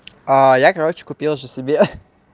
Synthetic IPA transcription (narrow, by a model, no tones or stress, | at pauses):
ajakɐɾot͡ɕɪ̥kʊpʲilˠʐɨsʲɪbʲe